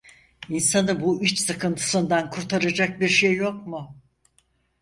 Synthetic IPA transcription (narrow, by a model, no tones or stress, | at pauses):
insanɯbuyt͡ʃsɯkʰɯnt̪ʰɯ̥sɯnd̪ankʰuɾt̪ʰaɾad͡ʒak̚biɾʃejːokmʊ